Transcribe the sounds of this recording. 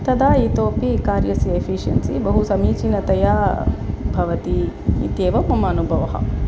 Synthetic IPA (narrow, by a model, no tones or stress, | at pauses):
t̪ɐd̪aːiːt̪oːpikaːɾjɐsiefʰiʂjɐ̰nsibɐɦusɐmiːt͡ʃinɐt̪ɐjaː | bʱɐʋɐt̪iḭt̪eːʋɐmɐmɐːnubʱɐʋɐɦɐ̰